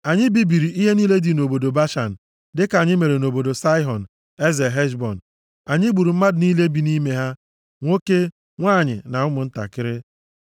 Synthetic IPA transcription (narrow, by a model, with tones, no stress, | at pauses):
a˨ɲɪ˦bi˦bi˨ɾi˨i˦ɦe˦niː˦le˦di˨no˨bo˨do˨ba˦ʃa˨n̩˨ | dɪ˦ka˨ɲɪ˦me˨ɾe˨no˨bo˨do˨sa˦ɪ˦ɦɔ˨n̩˨ | e˦ze˨ɦe˦ʃbɔ˨n̩˨ | a˨ɲɪ˦ɡ͡bu˨ɾu˨m̩˦ma˦dniː˦le˦bi˨ni˦me˦ɦa˦ | ŋʷo˦ke˦ | ŋʷaː˦˨ɲɪ̰˨na˨ʊ˦mʊ˨n̩˦ta̰˨kɪ˦ɾɪ˦